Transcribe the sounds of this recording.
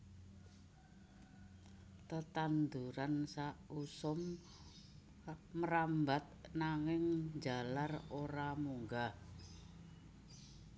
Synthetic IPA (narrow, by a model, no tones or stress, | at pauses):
t̪ət̪and̪uɾansausʊm | əɾambat̪̚naŋɪŋd͡ʒa̤laroɾamuŋɡa